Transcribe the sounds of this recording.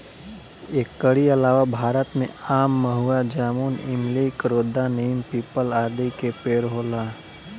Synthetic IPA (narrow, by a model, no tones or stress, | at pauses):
eːkːəɽiɐlaːʋabʱaːɾət̪mḛ̃aːmːəɦuad͡ʒaːmuːnɪmliːkɾoːd̪aneːmpiːpəlaːd̪ikepeːɾɦoːlaː